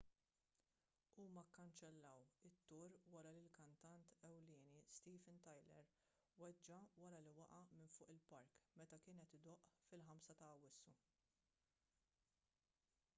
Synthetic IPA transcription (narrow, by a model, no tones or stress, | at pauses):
uːmɐkːɐnt͡ʃɛlːɐwɪt̪ːʊɾwɐɾɐlɪlkɐnt̪ɐnt̪ɛwlɪːnist̪iːfɪnt̪ɐjlɛ̰ɾ | wɛd͡ʒːɐwɐɾɐliwɐʔɐmɪnfʊːʔɪlpɐɾkmɛt̪ɐkɪːnɛt̪ɪd̪ɔʔfɪlħɐmsɐt̪ɐːwɪsːu